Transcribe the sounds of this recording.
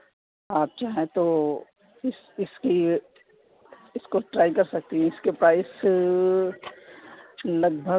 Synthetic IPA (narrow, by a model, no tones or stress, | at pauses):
aːp̚t͡ʃaːɦɛ̃t̪o | ɪs | ɪski | ɪskoʈɾaːikɐɾsɐk̚t̪iɦɛ̃ɪskepɾaːɪs | lɐɡbʱə